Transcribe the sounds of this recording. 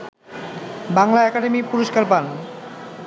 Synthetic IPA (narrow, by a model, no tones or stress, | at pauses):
baŋlaɛkaɖemipuɾoʃkaɾpan